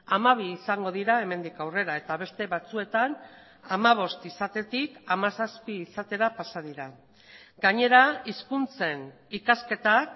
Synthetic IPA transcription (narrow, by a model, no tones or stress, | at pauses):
amaβ̞iːsaŋɡo̞ðiɾae̞me̞nd̪ikawre̞ɾae̞t̪aβe̞st̪e̞βat͡sue̞t̪an | amaβ̞o̞st̪isat̪e̞t̪ikamasaspiːsat̪e̞ɾapasað̞iɾa | ɡaɲe̞ɾaiskunt͡se̞n | ikaske̞t̪ak